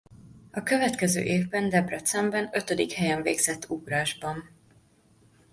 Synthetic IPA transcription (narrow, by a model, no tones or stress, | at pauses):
ɒkø̞vɛt̪kɛzø̰ːʔeːvbɛnd̪ɛbrɛt̪sɛmbɛnø̞t̪ød̪ikhɛjɛɱvḛːɡz̥ɛt̪ːuɡraːʒbɒn